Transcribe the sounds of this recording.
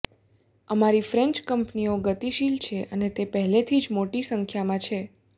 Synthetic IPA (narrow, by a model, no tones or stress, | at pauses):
əmaɾifɾɛɲt͡ʃkəmpnioɡət̪iʃilt͡ʃʰeʔənet̪epəɦɛlet̪ʰid͡ʒmoʈisəŋkʰjamãt͡ʃʰe